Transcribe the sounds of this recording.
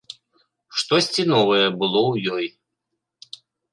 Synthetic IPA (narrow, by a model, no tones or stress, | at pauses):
ʂt̪ɔsʲt͡sʲinɔvɐjɛbɨlˠɔwjɔj